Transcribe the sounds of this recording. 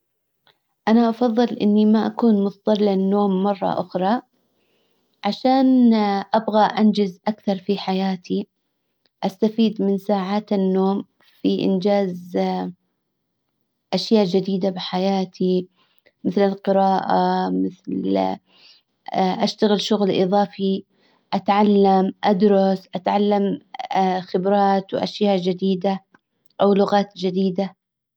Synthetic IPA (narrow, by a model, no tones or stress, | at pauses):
ʔanaʔɑfɑðˤːɨlʔɪ̰nːimaʔakuːnmʊt̪ðˤɑɾlɪnːoːmːɑrˤːɑ̰ʔʊxɾˤɑ | ʕaʃaːnʔabɣaʔand͡ʒɪzʔakθɑɾˤfiħajaːt̪i | ʔast̪afiːd̪mɪnsaːʕaːt̪anːoːm | fiʔɪ̰nd͡ʒaːz | ʔaʃjaːʔd͡ʒɪd̪iːd̪abɪħajaːt̪ʰi | mɪθlalqɨɾɑːʔamɪθl | ʔaʃt̪aɣɪlʃʊɣlʔɨðˤɑːfi | ʔat̪ʕalːamʔad̪ɾˤɑsʔat̪ʕalːam | xɪbɾˤɑːt̪wʔa̰ʃjaːʔd͡ʒɪd̪iːd̪a | ʔawlʊɣaːt̪d͡ʒɪd̪iːd̪a